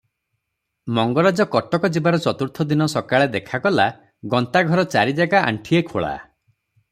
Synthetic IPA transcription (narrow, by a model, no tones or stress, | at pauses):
mɔŋɡɔɾad͡ʒɔkɔʈɔkɔd͡ʒibaɾɔt͡ʃɔt̪uɾt̪ʰɔd̪inɔsɔkaɭed̪ekʰakɔla | ɡɔnt̪aɡʱɔɾɔt͡ʃaɾid͡ʒaɡaʔa̰ɳʈʰiekʰoɭa̰